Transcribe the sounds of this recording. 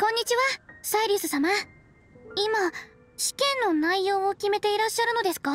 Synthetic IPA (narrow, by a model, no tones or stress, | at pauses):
kõ̞ɲ̟ːit͡ɕiβasaiɾʲɯsɨsama | ima | ɕi̥kẽ̞nːo̞naijo̞ːokʲime̞t̪e̞iɾaɕːaɾɯ̟no̞d̪e̞sɨ̥ka